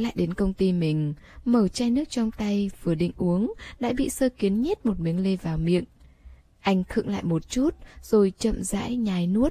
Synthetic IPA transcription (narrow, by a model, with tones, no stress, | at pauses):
la̰ː˧˨jɗe˨˦nkə˧wŋ͡mt̪i˧mï˨˩ŋ̟məː˨˩t͡ɕaː˧jnɨ˦˥ək̚t͡ɕɔ˧wŋ͡mt̪a˧jvɨ˨˩əɗḭ̈˧˨ŋ̟ʔu˨˦əŋɗa̰ː˧˥ɓḭ˧˨səː˧ki˨˦ənɲə˦˥t̚mo˨˩t̚mi˨˦əŋle˧vaː˨˩wmḭ˧˨əŋ | ʔa˧jŋ̟t̪ʰɨ̰˧˨əŋla̰ː˧˨jmo˨˩t̚t͡ɕu˦˥t̚z̥o˨˩jt͡ɕə̰˧˨mza̰ː˧˥jɲaː˨˩jnu˦˥ət̚